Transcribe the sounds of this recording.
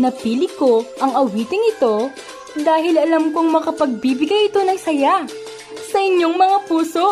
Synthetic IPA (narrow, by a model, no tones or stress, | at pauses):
nɐpiːlɪko̞ʔɐŋɐwiːt̪ɪŋɪt̪o̞ | d̪aːɦɪlɐlɐmkoŋmɐkɐpɐɡ̚bibɪɡɐjɪt̪o̞nɐjsɐja | sɐʔɪɲjo̞ŋmɐŋapuːso̞